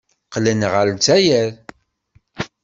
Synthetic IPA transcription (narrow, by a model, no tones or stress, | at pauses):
qlənʁəlt͡sæjæɾ